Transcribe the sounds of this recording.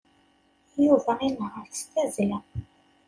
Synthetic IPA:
juvæinɦəɾθst̪æzlæ

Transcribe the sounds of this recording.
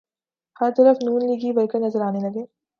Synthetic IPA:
hɐɾt̪ɐɾəfnuːnliːɡiːbɐɾkɐnɐzɐɾaːnelɐɡeː

